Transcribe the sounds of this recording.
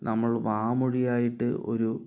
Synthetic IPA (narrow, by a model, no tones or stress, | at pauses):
nɐmːɐɭʋaːmuɻijaːjiʈːɨo̰ɾu